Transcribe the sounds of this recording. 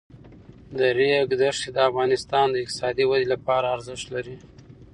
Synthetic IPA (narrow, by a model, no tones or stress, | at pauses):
d̪əɾeɡd̪əʂid̪əafɣɑnɪst̪ɑnd̪əɪq̚t̪ɪ̥sɑd̪iwad̪elapɑɾaːɾzɪʃt̪laɾi